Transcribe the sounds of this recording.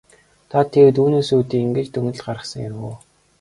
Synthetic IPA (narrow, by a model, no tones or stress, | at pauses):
t̪ʰat̪ʰːewt̪uːneːsuːt̪iːiŋɡɘ̆t͡ɕt̪ʰɵŋɘ̆ɮɢaɾə̆χsə̆ŋjæɾɣuː